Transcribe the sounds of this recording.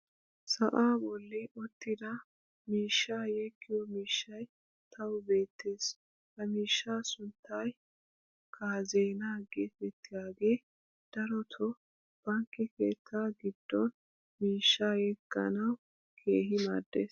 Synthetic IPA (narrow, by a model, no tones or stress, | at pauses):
sɐʔaːbɔlːɪʔɔt̪ːɪd̪ɐ | miːʃːaːjɛkːɪjɔmiːʃːɐj | t̪ʰɐwʊbe̞ːt̪ʰːe̞ːs | hɐmiːʃːaːsʊnt̪ːɐj | kʰaːzeːnaːɡɛbɛt̪ːɪɡaːɡe̞ː | d̪̥ɐɾɔt̪ʰɔ | b̥ɐŋkːɛke̞̰ːt̪ʰːaːɡɪd̪̥ːɔn | miːʃːaːjɛkːɐ̰nɐw | kʰe̞ːɦɪmɐːd̪ːeːs